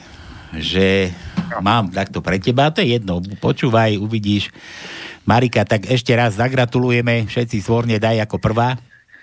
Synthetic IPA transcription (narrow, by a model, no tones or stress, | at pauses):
ʒɛ | maːmt̪ak̚t̪ɔpɾɛcɛbaat̪ɔjɛjɛd̪nɔpɔt͡ʃuːʋajuʋiɟiːʃ | maɾikat̪aɡɛʃcɛɾazzaɡɾat̪ulujɛmɛfʃɛt̪t͡sisʋɔɾɲɛd̪ajakɔpr̩ʋaː